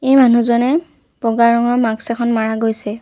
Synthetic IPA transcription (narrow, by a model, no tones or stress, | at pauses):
ejmanuzɔnɛ | bɔɡaɹɔŋɔmaɡsɛkʰɔnmaɹaɡojsɛ